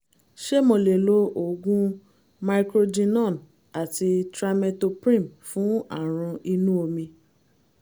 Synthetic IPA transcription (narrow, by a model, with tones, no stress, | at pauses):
ʃe˦mõ˨le˨lo˦ʔo˨ɡũ˦ | ma˨˧ikɾo˧d͡ʒĩ˧nɔ̃˦˨n | a˨ti˧tɾa˧mɛ˧to˧pɾĩ˦˨mfũ˨˦a̰˦˨ɾ̃ũ˧ʔi˧nũ˦o˧mĩ˧